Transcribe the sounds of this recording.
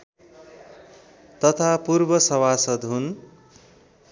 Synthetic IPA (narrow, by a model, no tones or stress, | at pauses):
t̪ʌt̪ʰapurbʌsʌwasʌd̪ɦun